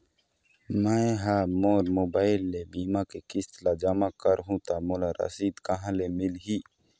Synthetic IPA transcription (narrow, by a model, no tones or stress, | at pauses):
maɦamoːɾmoːbaːɪlːebiːmãkekɪst̪lad͡ʒamãkəɾɦũt̪amolaɾɐ̰siːd̪kɐɦãlemɪlɦiː